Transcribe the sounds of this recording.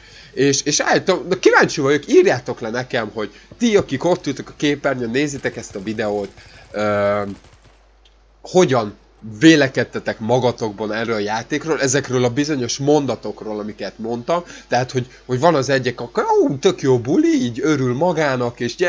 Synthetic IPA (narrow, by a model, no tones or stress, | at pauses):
eːʃeːʃa̰ːlit̪omnɒkivaːɲt͡ʃivɒjokiːrjaːt̪o̞klɛnɛkɛmɦo̞ɟ̥t̪iɒkiko̞t̪ːyːlt̪økɒkeːpɛrɲønneːzːit̪ɛkɛst̪ɒvid̪ɛoːt̪øː | ho̞ɟɒn | veːlɛkɛt̪ːɛt̪ɛkmɒɡɒt̪o̞ɡ̚bɒnɛrːøːlɒjaːt̪eːkroːlɛzɛkrøːlɒbizo̞ɲo̞ʃmo̞nd̪ɒt̪o̞kroːlɒmikɛt̪mo̞nt̪ɒmt̪ɛɦat̪ho̞ɟ | ho̞ɟvɒnɒzɛɟːɛkɒkot̪ø̞kjoːbuliiːɟø̞ɾylmɒɡaːnɒkeːʃɛ